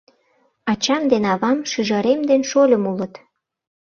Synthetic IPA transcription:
ɑt͡ɕɑmd̪enɑβɑmʃyʒɑɾemd̪enʃolʲə̆mulə̆t̪

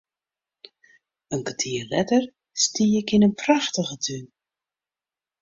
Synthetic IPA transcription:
ənkətʰiːərlɛtər | stiːɪkɪnənpraxtəɣətʰyn

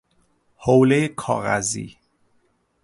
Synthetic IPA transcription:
howlejekʰɒ̰ːɣæ̰zḭː

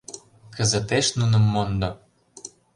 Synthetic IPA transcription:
kə̆zə̆t̪eʃnunɤ̆mːond̪ɤ̆

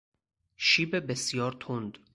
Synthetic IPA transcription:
ʃiːbebesjɒːɾt̪ʰond̪

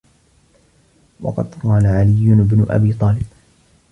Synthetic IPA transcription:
wɑ̰qɑ̰d̪qɑːlaʕalɪjːʊnɪbnʊʔa̰biːt̪ˤɑːlɪb̚

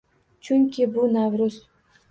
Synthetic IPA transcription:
t͡ʃʰʊŋkʲʰɪbʊnavɾʊz

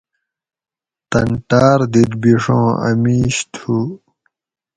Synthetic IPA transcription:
t̪ɐ̰ɳʈaːɾd̪id̪biʂõ̰ːɐ̰miːɕt̪ʰu

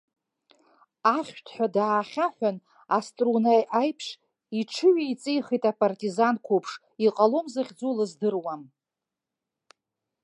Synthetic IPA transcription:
aχʲtʰħʷᶣadaːχʲaħʷᶣan | astʼrunajajpʰʂ | iʈ͡ʂʰɨɥijt͡sʼejχijtʼapʼartʼizankʷʰupʰʂ | iqʼalomzaχʲd͡zolɨzdɨrwam

